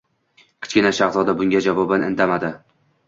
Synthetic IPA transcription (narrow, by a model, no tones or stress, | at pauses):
kʲʰɪ̥t͡ʃkʲɪnaʃaχzɒd̪abʊŋɡʲad͡ʒavɒbanɪ̰nt̪ʰamad̪ɪ